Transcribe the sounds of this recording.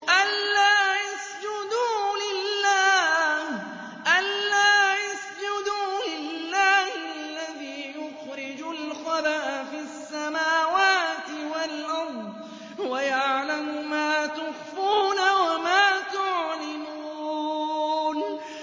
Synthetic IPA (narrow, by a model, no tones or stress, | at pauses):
ʔalːaːjasd͡ʒʊd̪uːlɪlːaːh | ʔalːaːjasd͡ʒʊd̪uːlɪlːaːhɪalːaðiːjʊxɾɪd͡ʒʊlqɑbaʔfiːasːamaːwaːt̪ɪwalʔɑɾˤd̪ | wajaʕlamʊmaːt̪ʊfːuːnawamaːt̪ʊʕlɪmuː | n